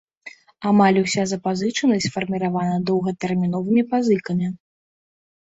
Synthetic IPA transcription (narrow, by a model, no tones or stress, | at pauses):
amalʲusʲazɐpazɨt͡ʂɐnɐsʲt͡s̪ʲfɐrmʲiɾavanɐd̪ɔwɣɐt̪ɛrmʲin̪ɔvɨmʲipazɨkɐmʲi